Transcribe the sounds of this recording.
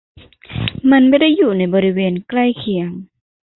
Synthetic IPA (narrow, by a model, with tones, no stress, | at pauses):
ma˧˥˨nba˧˥˦da˥˩jːuː˨˩na˧˩jbɔː˧ɾi˧weː˧nkla˥˩jkʰi˨˦əŋ